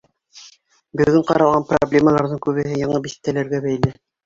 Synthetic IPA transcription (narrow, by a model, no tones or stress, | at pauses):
bɵ̆ɡɘɴqɑ̰ɾɑlʁɑnpro̰blʲeməlˠɑɾðɤŋkʉβɘ̆ɦɘjɑɴɤbisɘ̥̆k̚t̪ːælæɾɡæbæjlɘ